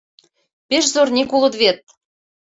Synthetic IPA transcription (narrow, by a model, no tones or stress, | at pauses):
peʃzornʲekulɤ̆t̪βet̪̚